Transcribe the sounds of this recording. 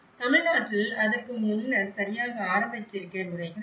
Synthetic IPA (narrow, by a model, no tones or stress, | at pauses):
t̪ɐmɪɻnaːʈrɪlɐðɐkɯmʊnːɐɾsɐɾɪjaːɣɐaːɾɐmbɐtːɪɾɯkːɐnʊɾɐɪɣɐ